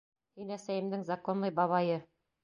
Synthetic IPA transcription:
hinæsæjɘ̆md̪ɘŋzɑkonlˠɤjbɑβɑjɤ

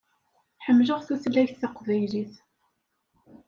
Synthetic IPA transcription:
ħəmːləʁθæθlæçθθɑqðæjliθ

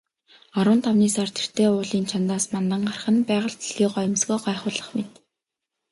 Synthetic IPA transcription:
ɔɾwʊ̆nt̪ʰawniːsart̪ʰe̥r̥t̪ʰeːʊːɮiːnt͡ɕʰant̪aːsmant̪ə̆ɴɢarχə̆npæːʁə̆ɮt̪iɮ̥iːɢɔj̆msɡoːɢæːχʊːɮə̆χmet̪

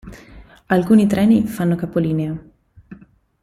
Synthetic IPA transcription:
alkuːnit̪ɾɛːnifanːokapoliːnea

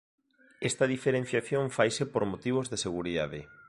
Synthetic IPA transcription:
est̪ɐðifeɾẽn̟θjaθjoɱfajsepoɾmot̪iβ̞ozðeseɣuɾiða̰ð̞ɪ̰

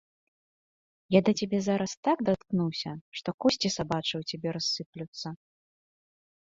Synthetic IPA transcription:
jad̪ɐt͡sʲabʲɛzaɾɐst̪aɡd̪at̪knuwsʲɐʂt̪ɔkɔsʲt͡sʲisabat͡ʂɨwt͡sʲabʲɛɾasːɨplʲut̪sːɐ

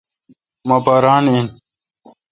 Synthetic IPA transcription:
mɐbɐɾaːnen

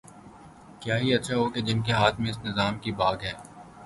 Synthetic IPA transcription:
kjaːɦiɐtːʃʰaɦoːked͡ʒɪnkeɦaːt̪ʰmẽɪsnɪzaːmkibaːɡɦɛː

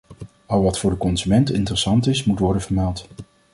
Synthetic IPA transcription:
ɑlˠʋɑtfʊːɹdəkɔnzymɛntɪ̰ntərəsɑntɪsmutʋɔɹdənvəɹmɛlˠt

